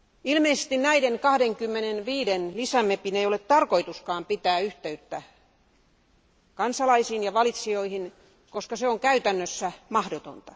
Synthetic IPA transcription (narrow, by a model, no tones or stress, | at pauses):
ilmeisest̪innæideŋkɑhdeŋkymːenenʋiːdenlisæmepineijolett̪ɑrkoit̪uskɑːmpit̪æːyht̪eyt̪ːæ | kɑnsɑlɑisiːnjɑʋɑlit̪sioihin | koskɑseoŋkæyt̪ænːøsːæmɑhdot̪o̰nt̪ɑ̥